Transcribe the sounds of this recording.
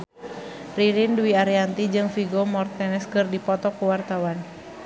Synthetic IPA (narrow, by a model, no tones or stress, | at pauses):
riɾinduiaɾiant̪id͡ʒɨŋfiɡɔmɔrt̪ɛnɛskɨrdipɔt̪ɔkuwart̪awan